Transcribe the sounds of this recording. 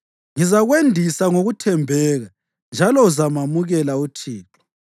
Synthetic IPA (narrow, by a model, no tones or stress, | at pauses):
ŋizaɣwendʱisaŋoɣutʰɛmbʱɛːɣa | nd͡ʒʱalɔuzamamuɣɛlautʰiːǁɔ̥